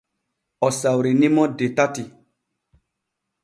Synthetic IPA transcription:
ɔsawɾinimɔdetati

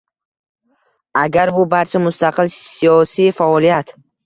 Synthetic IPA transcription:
aɡʲaɾbʊbaɾt͡ʃʰamʊst̪ʰaqʰɨlsijɒsijfaɒlijat̪

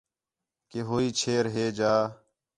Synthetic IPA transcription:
keːɦoːiːt͡ʃʰeːɾɦeːd͡ʒaː

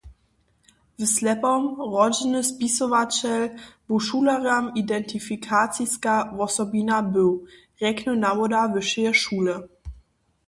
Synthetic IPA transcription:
vəslɛpɔmʁɔd͡ʒənəspisɔvat͡ɕɛlb̥oʃuːlaʁamidɛntʰifikʰaːt͡siskavɔsɔbinabøw | ʁɛknonamodavəʃɛəʃuːlə

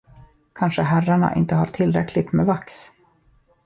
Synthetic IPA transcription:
kʰanʂəɦæraɳa̰ʔɪ̰nt̪əhaɾʈ̪ʰɪlːɾɛkʰlɪt̪mɛvaks

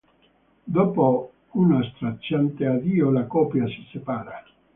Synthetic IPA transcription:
d̪oːpo | unast̪ɾat͡ʃːant̪ead̪iːolakɔːpjasi̥sepaːɾa

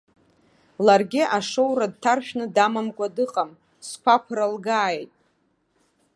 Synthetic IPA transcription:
larɡʲɪʔaʂowrad̚tʰarʃᶣnɨdamamkʷʼadɨqʼam | skʷakʷʰralɡaːjtʼ

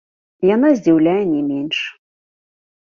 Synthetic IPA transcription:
jan̪azʲd͡zʲiwlʲajɛnʲɛmʲenʲʂ

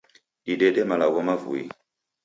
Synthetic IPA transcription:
ɗiɗɛɗɛmalaɣɔmavṵḭ

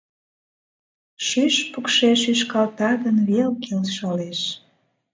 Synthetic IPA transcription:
ʃyʃpukʃeʃyʃkɑlt̪ɑd̪ənβelkelʃɑleʃ

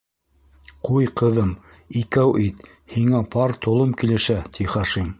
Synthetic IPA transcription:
qujqɤ̆ðɤm | ikæwʔit̪ | hiŋæpʰɑɾt̪ŏlˠɤmkilɘ̆ʃæt̪iχɑʃim

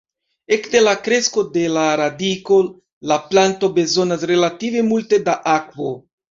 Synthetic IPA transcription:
e̞kde̞lakɾe̞sko̞de̞laɾadiko̞ | laplanto̞be̞zo̞nasɾe̞lative̞multe̞daʔakvo̞

